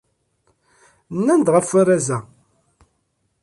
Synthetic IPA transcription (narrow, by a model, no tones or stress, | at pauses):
nːænd̪ʁəfʊɾæzæ